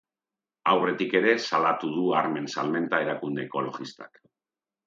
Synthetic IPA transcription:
awre̞t̪ike̞ɾe̞salat̪uðuaɾme̞nsalme̞nt̪ae̞ɾakund̪e̞ːko̞lo̞̰ɣist̪a̰k

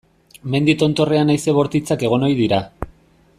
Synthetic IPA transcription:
me̞nd̪it̪o̞nt̪o̞re̞anajse̞βo̞ɾt̪it͡sake̞ɣ̞o̞no̞jð̞iɾa

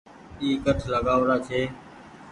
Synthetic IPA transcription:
iːkəʈʰləɡaːʋɾaːt͡ʃʰeː

